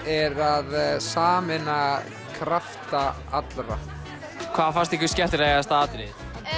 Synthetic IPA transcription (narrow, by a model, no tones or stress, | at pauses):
ɛɾaðsaːmɪna | kʰɾaft̪a | at̪lɾa̰ | kʰvaːðfḁst̪ekcʏscɛl̥t̪ɾeːjɣast̪aːt̪ɾɪ